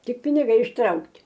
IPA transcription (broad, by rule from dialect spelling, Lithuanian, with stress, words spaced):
ˈtʲɪk pʲɪnʲɪˈɡɐɪ ɪʃˈtrɐʊktʲ